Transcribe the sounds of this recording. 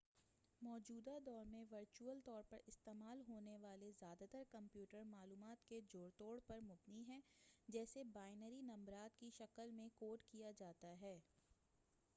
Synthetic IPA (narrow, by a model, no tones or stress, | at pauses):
mɔːd͡ʒuːd̪ad̪ɔːɾmẽʋɐɾt͡ʃuəlt̪ɔːɾpɐɾɪst̪eːmaːlɦoːneʋaːlezjaːd̪at̪əɾkɐ̃mpjuːʈəɾmaːluːmaːt̪ked͡ʒoːɾt̪oːɽpɐɾmʊbniɦɛ̃ːd͡ʒɛːsebaːɪnəɾinɐ̃mbɾaːt̪kiʃɐkəlmẽkoːʈkijad͡ʒaːt̪aɦɛː